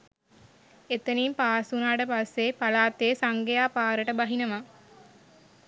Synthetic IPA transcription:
et̪əniːmpaːsunaːʈəpasːepalaːt̪eːsaŋɡejaːpaːɾəʈəbaɦinəʋa

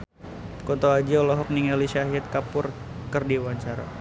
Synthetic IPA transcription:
kɔt̪oad͡ʒiɔlɔɦɔk̚niŋaliʃaɦiat̪̚kapʊr | kərdiwaɲt͡ʃaɾa̰

